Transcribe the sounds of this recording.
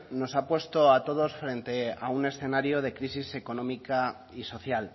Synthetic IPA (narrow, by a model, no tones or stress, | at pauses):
no̞sapwe̞st̪o̞at̪o̞ð̞o̞sfɾe̞nt̪e̞a̰une̞sθe̞naɾjoð̞e̞kɾisise̞ko̞nõ̞mika | iso̞θjal